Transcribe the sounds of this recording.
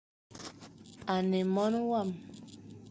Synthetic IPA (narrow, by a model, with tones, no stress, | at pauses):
a˨ne˨mɔ˦nwa˦˨m